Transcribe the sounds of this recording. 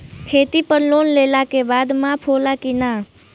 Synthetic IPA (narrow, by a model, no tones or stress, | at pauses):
kʰeːt̪ipəɾloːnleːlaːkebaːd̪mãːpʰoːlaːkinaː